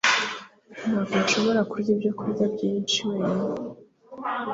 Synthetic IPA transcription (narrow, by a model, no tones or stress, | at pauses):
naːkonʃo̞βo̞ɾakuɾɟibjokuɾɟabɟiːnt͡ʃiweːne